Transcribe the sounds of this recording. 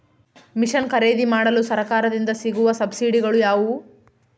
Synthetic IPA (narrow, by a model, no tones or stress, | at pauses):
miʂɐnkɐɾe̞ːd̪imaːɽɐlusɐɾɐkaːɾɐd̪ind̪ɐsiɡuʋɐsɐbsiːɖiɡɐɭujaːʋu